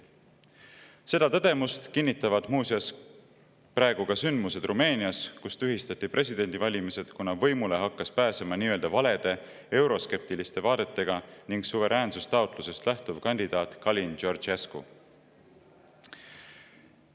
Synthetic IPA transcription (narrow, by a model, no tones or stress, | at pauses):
se̞d̪̥ɑt̪ɤd̪̥e̞must̪kinʲːit̪ːˑɑvɑd̪̥muːsiɑs | pɾɑe̞ɡ̥uɡ̥ɑsynd̪muse̞d̪̥rʔume̞ːniɑskust̪yɦist̪ɑt̪ːˑipre̞sʲid̪̥e̞nʲd̪ivɑlʲimise̞d̪̥kunːɑvɤ̞jmule̞ɦɑkːɑspæːsemɑniːøld̪ɑvɑle̞d̪̥e̞ | e̞wɾo̞ske̞p̚t̪ilist̪e̞vɑːd̪̥e̞t̪ːe̞ɡ̥ɑniŋɡsuve̞ɾʔæːnsust̪ɑut̪ˑluse̞st̪læht̪uvkɑnʲd̪id̪̥ɑːt̪ˑkɑlʲind͡ʒo̞rd͡ʒeskṵ